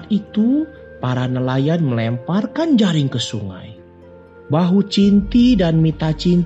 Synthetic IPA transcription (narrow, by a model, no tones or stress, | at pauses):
t̪̚it̪u | paɾanəlajanməlɛmparkand͡ʒaɾɪŋkəsuŋa̰j | baɦut͡ʃint̪idanmit̪at͡ʃint̪